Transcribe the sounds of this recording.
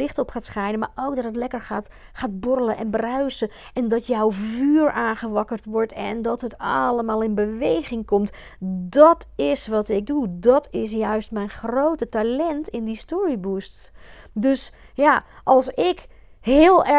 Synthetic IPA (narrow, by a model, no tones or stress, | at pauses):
ɪχtɔpχaːtsχɛjnəma̰ɹowk̚dɔtətlɛkəɹat | χaːt̚bɔrələʔɛnbraɥsə | ɛndɔtjɔwvyːɹaːnχəʋɑkərtʋɔɹtɛndɔtɦətɑləmaːlˠɪnbəʋejɣɪŋkɔmt | dɔtʰɪsʋɑtɪɡ̚dudɔtɪs̬jœɥstmɛjnχrowtətalɛntɪndistɔɹibusts | døs | jaʔɑlˠsɪk | ɦɪːlˠɛ